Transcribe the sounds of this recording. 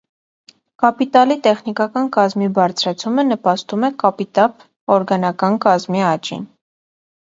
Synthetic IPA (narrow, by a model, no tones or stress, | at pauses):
kɑpit̪ɑlit̪ɛχnikɑkɑnkɑzmibɑɾt͡sʰɾɑt͡sʰumənəpɑst̪umɛkɑpit̪ɑp | ɔɾɡɑnɑkɑnkɑzmiɑt͡ʃḭn